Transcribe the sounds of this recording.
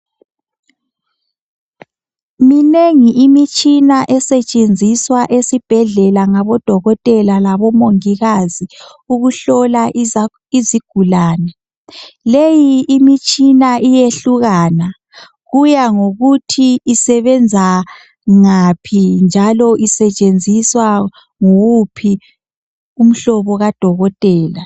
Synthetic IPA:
mineŋiʔimit͡ʃʼinaʔɛsɛt͡ʃʼend͡zʱiswaʔesib̥ʱɛɮɛlaŋaβɔd̥ʱɔɣɔtʼɛlalaβɔmoŋiɣazi | uɣuɬɔla | iziɡ̥ʱulaːnɛ | lejiːmit͡ʃʼinaʔijeɬuɣaːna | ɣujaŋoɣutʰiːsɛβɛnd͡zʱa | ŋapʰind͡ʒʱalɔʔisɛt͡ʃʼend͡zʱiswa | ŋuwupʰi | um̩ɬɔβɔɣad̥ʱɔɣɔtʼɛːla

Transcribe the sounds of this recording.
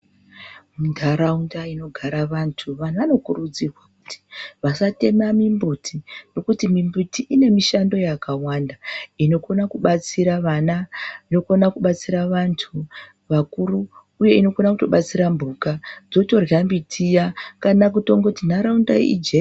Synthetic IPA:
mundʱaɾaundaino̞ɡʱaɾaʋantʰuʋan̤ʋano̞kurud͡zirwaku̥ti̥ʋasate̞mamimbutʰino̞kutimimbutiʔine̞miʃando̞jakawandaino̞ko̞nakuɓat͡siɾaʋanaino̞ko̞nakuɓat͡siɾaʋantʰu | ʋakuɾuː | je̞ino̞konakuto̞ɓat͡siɾambʱukad͡zo̞to̞rjambitʰijakanak̬uto̞ŋɡotindaɾaunda̰ḭd͡ʒe

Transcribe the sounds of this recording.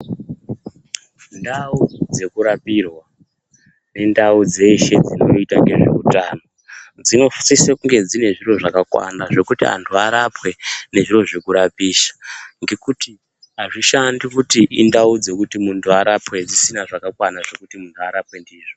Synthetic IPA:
ndaud͡ze̞kuɾapirwa | ne̞ndaud͡ze̞ʃe̞d͡zino̞itaŋɡe̞ʐḛutaːno | d͡zino̞fu̥sisekuŋɡe̞d͡zine̞ʐiro̞ʐakakwa̰naʐe̞kutia̰ntʰuaɾapwe̞ne̞ʐiro̞ʐekuɾapiːʃḁŋɡe̞kuti | aʐiʃandikutiʔindaud͡ze̞kutimuntʰuaɾapwe̞d͡zisinaʐakakwanaʐe̞kutimuntʰuaɾapwe̞ndiːʐo

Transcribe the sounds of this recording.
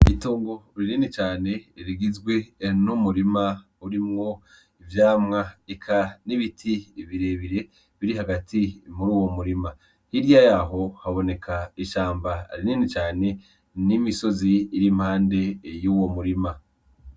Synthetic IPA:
ituːŋɡo̞ɾininit͡ʃaːne̞iɾiɡizɡwe̞numuɾima | uɾimŋo̞ | ivjaːmŋaikʰaniβitʰiβiɾe̞βiɾe̞ | βiɾiɦaɡatimuɾuːwo̞muɾima | hiɾjajaɦo̞haβo̞ne̞kʰaiʃaːmba̰ɾininit͡ʃaːne̞ | nimiso̞ziːɾimhaːnde̞juːwo̞muɾima

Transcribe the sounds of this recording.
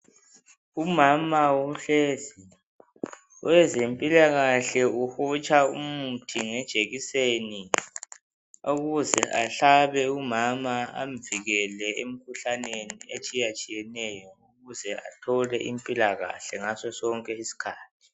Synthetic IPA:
umamawuɬezi | ɔwɛzempʼilaɣaɬɛuhɔt͡ʃʼaumutʰiŋɛd̥ʒ̥ʱeɣiseni | oɣuzɛʔaɬaβɛumamaa̰m̩viɣɛlɛem̩kʰuɬaneniet͡ʃʼijat͡ʃʼijɛnɛjɔuɣuzɛa̰tʰɔlɛʔimpʼilaɣa̰ɬɛŋasɔsɔŋkʼɛisi̥kʰaːt̚ʰi̥

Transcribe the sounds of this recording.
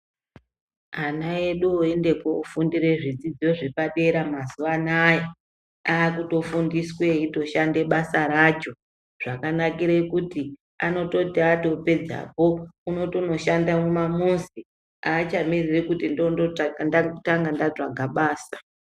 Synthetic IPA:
anae̞ɗuoe̞nde̞ko̞ufundiɾe̞ʐid͡zid͡zio̞ʐe̞paɗe̞ɾamazuʋanaja | aːkuto̞fundiswe̞ito̞ʃande̞ɓasaɾat͡ʃo̞ | ʐ̥akanakiɾekuti | ano̞to̞tiato̞pe̞d͡za̰po̞uno̞to̞no̞ʃandamumamunzi | aːt͡ʃamiririkutindooandautaŋɡandat͡ʂaɡʱaɓaːsḁ

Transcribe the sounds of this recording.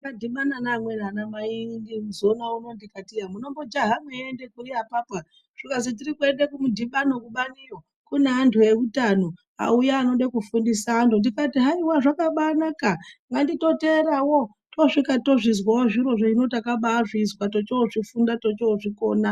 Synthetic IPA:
kadʱiɓananaːmwenanamaindiuzo̞nauno̞ndikatijamuno̞mbod͡ʒaɦameende̞kuriapapa | ʐ̥ikas̬it̬irikue̞ndekumudʱiɓano̞kuɓanijo | kuneantʰuje̞kutano | a̰ujaːno̞ɗekufundisaːntundikatiɦaiwaʐakaɓanakaŋɡandito̞teːɾawo | toʂikato̞ʐis̬waoʐiɾo̞ʐoino̞takaɓaːʐiswatot͡ʃooʐifundatot͡ʃooʐikoːna

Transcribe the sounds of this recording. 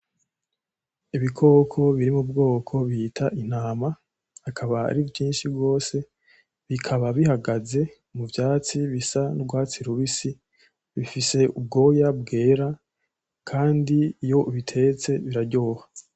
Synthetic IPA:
iβikʰo̞ːkʰo̞βiɾimubɡo̞ːkʰo̞βitʰaʔin̥aːma | hakʰaβa̰ːɾivjiːnʃibɡo̞ːse̞ | βikʰaβaβihaɡaze̞ | muvjaːt͡siβisanubɡwaːt͡siɾuβisi | βifise̞ub̚ɡo̞ːjab̚ɡe̞ːɾa | kʰaːndijo̞ʔβitʰe̞t͡se̞βiɾaɾɟo̞ːha

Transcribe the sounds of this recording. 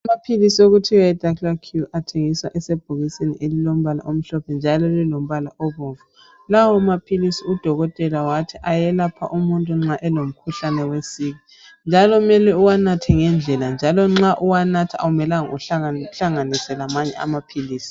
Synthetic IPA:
amapʰilisioɣutʰiwaɛd̥ʱaklakʰjuʔatʰeŋiswa̰ʔɛseb̥ʱuɣiseniʔelilom̩βala̰ʔom̩ɬɔpʰɛnd͡ʒʱalɔlilom̩βalaʔɔβɔvu | lawɔmapʰilisiud̥ʱɔɣɔtʼɛlawatʰiʔajɛlapʰa̰ʔumuntʼuŋ͡ǁaʔɛlom̩kʰuɬanɛwesiɣi | nd͡ʒʱalɔumɛlɛuwanatʰɛŋɛnd͡ɮʱɛland͡ʒʱalɔŋ͡ǁaʔuwanatʰaa̰umɛlaŋuaɬaŋanisɛlamaɲɛ̰a̰mapʰiliːsi̥

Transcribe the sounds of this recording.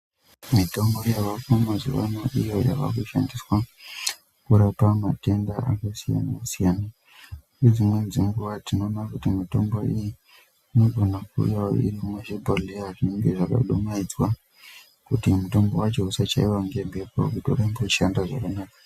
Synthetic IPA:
mito̞mbo̞jaʋakomaʐḭʋa̰naʔijo̞ja̰ʋa̰kuʃa̰ndiswa | kuɾapamate̞ndaʔakasija̰nasijana | ned͡zimwe̞d͡ziŋɡuʋatino̞ːnakutimito̞mbo̞iji | ino̞ɡʱo̞nakṵjaoḭrimweʐebʱoliaʐiŋɡeʐaka̰ɗomaid͡zwa | kutimuto̞mbo̞wat͡ʃo̞usat͡ʃaiwaŋɡe̞mbepo̰kutio̰ɾamboʃandaʐa̰kanaːkḁ

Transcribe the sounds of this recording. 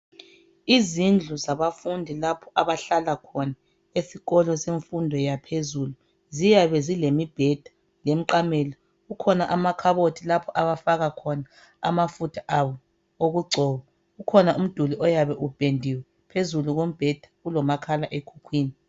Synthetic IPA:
izind͡ɮʱuzaβafundʱilapʰɔ̥aβaɬalakʰɔna | esiɣɔlɔseɱfundʱɔjapʰezulu | zijaβɛzilemib̥ʱɛd̥ʱḁ | lem̩ǃamɛlɔ | ɣukʰɔnaʔamakʰaβotʰilapʰɔʔaβafaɣakʰɔna | a̰mafutʰḁʔawɔ | oɣuɡ͡ǀʱɔːɣɔ | ɣukʰɔnaʔum̩d̥ʱuliʔɔjaβɛʔub̥ʱendʱiwɛ | pʰezuluɣom̩b̥ʱɛd̥ʱḁɣulɔmakʰalaʔekʰukʰwiːni

